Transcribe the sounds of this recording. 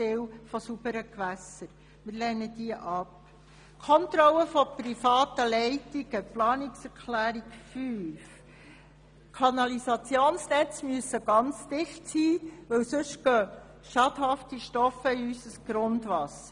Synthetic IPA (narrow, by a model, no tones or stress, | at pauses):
ɪwfɔsubəɾəkʋæsəɾ | mɪːɾlɛnːəd̥iəʔɑp | kʰɔnt̪ɾɔlːəfɔpɾifɑːtəlɛɪtiɡəplɑːniksɛɾkʰlæːɾikfyːf | kʰɑnɑlisɑt͡sjoːnsnɛt͡smyəsːəɡ̥ɑnt͡sd̥ɪχtsiːʋɵwsɵʃɡ̥œː | ʃɑdɦɑftiʃtɔfəiysəsɡ̥ɾʊndʋɑsə